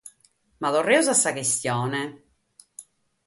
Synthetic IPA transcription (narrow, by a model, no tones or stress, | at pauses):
maðorːɛusasːakest̪jɔːne